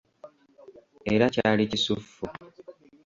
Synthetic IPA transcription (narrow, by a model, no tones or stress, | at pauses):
e̞ɾacaːlicisufːu